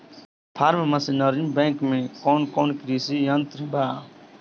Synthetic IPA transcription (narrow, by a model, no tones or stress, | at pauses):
pʰaːɾmemɐsinɐɾimbɛ̃ːkmẽkɔːnkɔːnkɾiːsijɐnt̪ɾbaː